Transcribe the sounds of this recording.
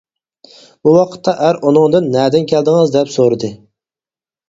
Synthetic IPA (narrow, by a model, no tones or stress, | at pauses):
buwɑqʰə̥t̪ʰːɑʔæɾʔunɨŋd̪ɨnːɛːd̪ɪnkʲʰæld̪ɪŋɨzd̪ɛpsoɾɨd̪ɨ